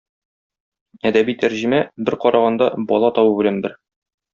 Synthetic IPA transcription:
æd̪æbit̪ʰæɾʑɘ̆mæbɘɾqɒɾɑʁɑnd̪ɑbɒlˠɑt̪ɒwɤbɘ̆lænbɘɾ

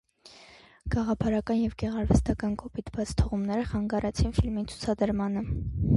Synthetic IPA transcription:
ɡ̥ɑʁɑpʰɑɾɑkɑnjɛvɡɛʁɑɾvɛst̪ɑkɑnkʰɔpit̪bɑt͡sʰt̪ʰɔʁumnɛɾəχɑŋɡɑɾʔɛt͡sʰinfilmit͡sʰu̥t͡sʰɑd̪əɾmɑnə

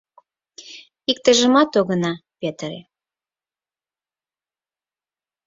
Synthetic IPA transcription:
ik̚t̪ə̆ʒə̆mɑt̪oɣənɑpet̪əɾḛ

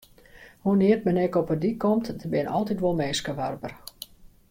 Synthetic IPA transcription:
huniərtmɛnɛkɔpədikɔmtdəbɪnɔ̰lˠtitʋolˠmeːskəʋarbər

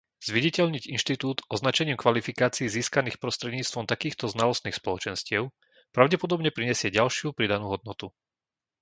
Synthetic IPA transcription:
z̥ʋiɟicɛʎɲiɟinʃt̪it̪uːt̪ɔznat͡ʃɛɲiːmkʋalifikaːt͡siiziːskaniːxpɾɔst̪ɾɛd̪ɲiːt͡st̪ʋɔmt̪akiːxt̪ɔznalɔst̪niːxspɔlɔt͡ʃɛnscɪɛʊ | pɾaʊɟɛpɔd̪ɔbɲɛpɾiɲɛsɪɛɟalʃɪupɾid̪anuːɦɔd̪̚nɔt̪u

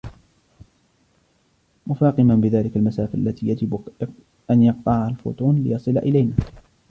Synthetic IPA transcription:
mʊfɑːqɨmanbɪðaːlɪkalmasaːfaʔa̰lːat̪iːjad͡ʒɪb | ʔanjɑq̚t̪ˤɑʕaalfʊ̰ːt̪ˤuːnlɪjɑsˤɨla̰ʔɪlajnaː

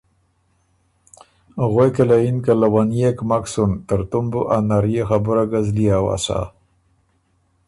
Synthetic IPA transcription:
ɣwekelainkalawanijekmaksunt̪əɾt̪umbuʔanaɾjexabuɾaɡazlijawa̰sa̰

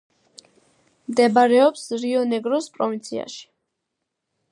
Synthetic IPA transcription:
md̪ɛbaɾɛɔpsɾiɔnɛɡɾɔspʼɾɔvint̪sʰḭa̰ʃi̥

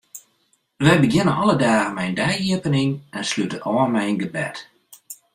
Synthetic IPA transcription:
ʋɛjbəɡjɪnənɔlədaːɣəmɛjndɛjiəpənɪnɛnslytəʔɔːənmɛjnɡəbɛ̰t

